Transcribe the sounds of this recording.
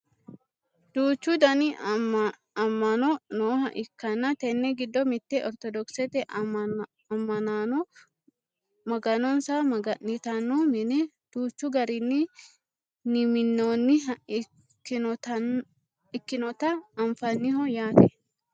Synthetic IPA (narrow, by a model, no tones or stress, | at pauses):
d̪̥uːt͡ʃːʊd̪ɐnɪ | ɐmːɐnɔnoːhɐʔɪkːɐnːɐt̪ɛnːɛɡɪd̪ːɔmɪt̪ːɛʔɔɾt̪ɔd̪ɔksɛt̪ɛ | ɐmːɐnaːnɔ | mɐɡɐnɔnsamɐɡɐnɪt̪ɐnːomɪnɛ | d̪̥uːt͡ʃːʊɡɐɾɪnːɪ | nɪmɪnːoːnːɪ | k̪ː | ɪkːɪnɔt̪ɐːɱfɐnːɪɦɔjaːt̪ɛ